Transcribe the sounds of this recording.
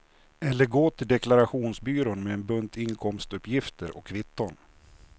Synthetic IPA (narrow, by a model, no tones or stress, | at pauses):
ɛlːəɾɡoːt̪ʰɪld̪ɛklaɾaɧuːnsbyːɾonmeɛnbɵnt̪ʰɪŋkʰɔmst̪ɵpːjɪft̪ʰəɾʔɔ̰kʰːvɪt̪ːɔn